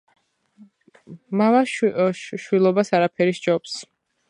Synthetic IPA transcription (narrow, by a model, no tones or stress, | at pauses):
mava | ʃwilˠɔbasaɾapʰɛɾiʃd͡ʒɔps